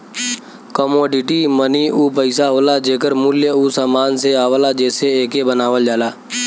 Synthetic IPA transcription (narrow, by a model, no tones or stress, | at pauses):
kəmoːɖɪʈiməniʔuːpəɪsaɦoːlad͡ʒeːkəɾmʊljəusaːmaːnseaːʋəlad͡ʒɛːseeːkebənaːʋəld͡ʒaːlaː